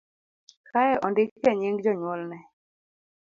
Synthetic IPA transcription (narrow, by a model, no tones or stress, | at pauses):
kajɛʔɔndɪkkɛɲiŋɡd͡ʒɔɲwɔlnɛ